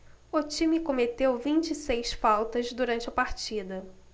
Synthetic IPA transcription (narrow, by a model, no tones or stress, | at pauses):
ʊt͡ʃimikomet̪ewvĩnt͡ʃisejsfawt̪ɐzd̪uɾɐ̃nt͡ʃɪɐpaɾt͡ʃid̪ɐ